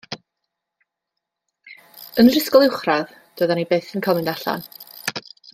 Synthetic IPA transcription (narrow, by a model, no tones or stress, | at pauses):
ənrɪskɔlˠɪwχrað | d̥oːðanibeːθənkʰɔmɪndaɬa̰n